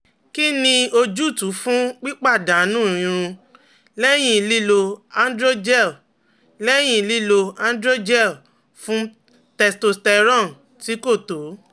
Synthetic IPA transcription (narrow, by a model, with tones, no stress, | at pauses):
ki˦nĩ˧o˧d͡ʒu˦˨tu˨˦fũ˦k͡pi˦k͡pa˦˨dã˨˦nũ˦˨ĩ˧ɾ̃ũ˧ | lɛ˦j̃ĩ˦˧˨li˦lo˧ã˦n˦dɾo˦d͡ʒɛ˦˨l | lɛ˦j̃ĩ˧˨li˦lo˧ã˦n˦dɾo˦d͡ʒɛ˦˨l | fũ˦ | tɛ˧sto˧stɛ˧ɾɔ̃˦˨n˨ | ti˨˦ko˦˨to˨˦